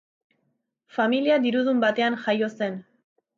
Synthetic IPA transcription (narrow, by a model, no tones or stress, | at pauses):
familiaðiɾuðumbat̪e̞anʝajo̞se̞n